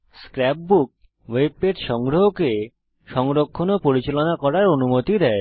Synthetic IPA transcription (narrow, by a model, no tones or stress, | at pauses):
skɾɛp̚buk̚ | web̚eɾʃɔŋɡɾoɦoke | ʃɔŋɾokʰːonopoɾit͡ɕelonakɔɾaɾonumot̪id̪ɛe